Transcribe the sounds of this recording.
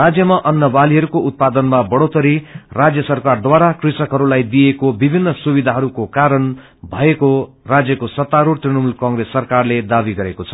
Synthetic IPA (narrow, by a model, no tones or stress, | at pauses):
rad͡zjʌmaʔʌnːʌbaliɦʌɾukoʔut̪̚pad̪ʌnmabʌɽot̪ʌɾirad͡zjʌsʌrkard̪waɾakrisʌkɦʌɾulajd̪ijekobibʱinːʌsubid̪ʱaɦʌɾukokaɾʌn | bʱʌeko | rad͡zjʌkosʌt̪ːaɾuɽt̪rinʌmulkʌŋresːʌrkarled̪abiɡʌɾekot͡sʰʌ̥